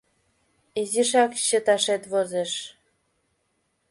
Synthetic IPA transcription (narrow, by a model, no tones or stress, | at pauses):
iziʃɑkɕə̆t̪ɑʃet̪βozeʃ